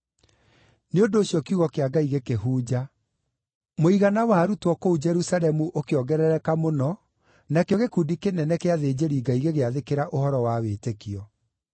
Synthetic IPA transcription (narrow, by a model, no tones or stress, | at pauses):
neondoːɕjɔkiuɣɔkeaɡaiɣekeɦuːd͡ʑa | moiɣanawaɾutwɔkoud͡ʒɛɾusaɾɛmuʔokeɔɡɛɾɛɾɛkamonɔ | nakjɔɣekuːndikenɛnɛkeaðeːd͡ʑeɾiɡaiɣeɣeaðekeɾaʔohɔɾɔwawetekiɔ